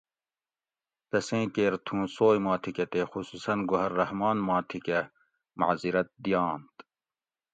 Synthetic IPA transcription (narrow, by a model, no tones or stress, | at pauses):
t̪ɐsẽːkeːɾt̪ʰũːsoːjmaːt̪ʰikɐt̪eːxusuːsɐnɡoɦɐɾːɐhmaːnmãːt̪ʰikɐ | mɐ̰ziɾɐt̪̚d̪ijaːnt̪